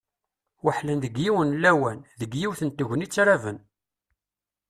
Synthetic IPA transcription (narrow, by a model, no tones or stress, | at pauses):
wəħlænðəɡjiwənlːæwænðəɡjiwθənt̪əʝənit͡sːɾavən